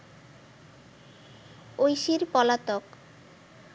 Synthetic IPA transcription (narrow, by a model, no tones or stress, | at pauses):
ojʃiɾpɔlat̪ok